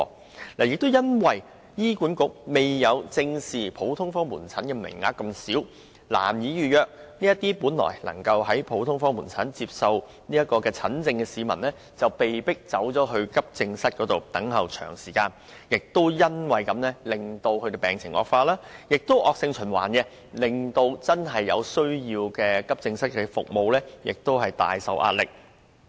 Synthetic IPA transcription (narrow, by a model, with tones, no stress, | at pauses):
ɔ˧ | laː˨˩jɪ˨k̚t̪o˥wjɐ˥nwɐ˨j | jiː˥kuː˨˥nkʊ˨˥k̚me˨jːɐ˨˧wt͡sɪ˧ŋsiː˨˩pʰo˨˥wt̪ʰʊ˥ŋfɔː˥ŋmuː˨˩nt͡sʰɐ˨˥nkɛ˧mɪ̰˨˩ŋːa̰ː˧kːɐ˧msiː˨˥w | la̰ː˨˩mjiː˨˥jyː˨jœː˨k̚niː˥ɐ˥t̪iː˥puː˨˥nlɔ̰ː˨˩jlɐ̰˨˩ŋkɐ˧wɦɐ˨˥jpʰo˨˥wt̪ʰʊ˥ŋfɔː˥ŋmuː˨˩nt͡sʰɐ˨˥nt͡siː˧p̚sɐ˨˧w | niː˥jɐ˥t̚kːɔː˧kɛː˧t͡sʰɐ˨˥nt͡sɪ˧ŋkɛː˧siː˨˧mɐ̰˨˩nlɛː˥ | t͡sɐ˨wpe˨jpɪ˥k̚t͡sɐ˨˥wt͡ʃɔː˨˥ɦɵ˧ɥkɐ˥p̚t͡sɪ˧ŋsɐ˥t̚kɔː˨˥t̪o˨wt̪ɐ˨˥ŋɦɐ˨wt͡ʃʰœ̰ː˨˩ŋsiː˨˩kaː˧n | jɪ˨k̚t̪o˥wjɐ˥nwɐ˨jkɐ˨˧mnɛː˥lɪ˨ŋt̪o˧whɵ˧t̪e˧pɛː˨ŋt͡sʰɪ˨˩ŋʔɔ̰˨˧k̚faː˧laː˥jɪ˨k̚t̪o˥wʔɔː˨˧k̚sɪ˧ŋt͡ʃʰɵ˨˩nwa̰ː˨˩nkɛ˧ | lɪ˨ŋt̪o˧wt͡sɐ˥nɦɐ˨jːɐ̰˨˧wsɵ˥ɥjiː˧wkɛː˧kɐ˥p̚t͡sɪ˧ŋsɐ˥t̚kɛ˧fʊ̰˨k̚mo˨˧wlɛː˥jɪ̰˨k̚t̪o˥wɦɐ˨jt̪a̰ː˨jsɐ̰˧wʔa̰ː˧t̚lɪ˨k̚